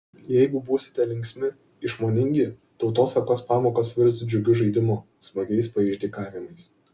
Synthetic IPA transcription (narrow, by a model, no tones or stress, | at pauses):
jɛɪɡʊbuːsʲɪ̥t̪ʲɛlʲɪŋʲksʲmʲɪ | ɪʃmoːnʲɪŋʲɡʲɪ | t̪ɒʊt̪oːsɐkoːspɑːmoːkɐsʋʲɪɾʲsd͡ʒʲʊɡʲʊʒɐɪd̪ʲɪmʊ | smɐɡʲɛɪspɐɪʒʲd̪ʲiːkɑːʋʲɪmɐɪs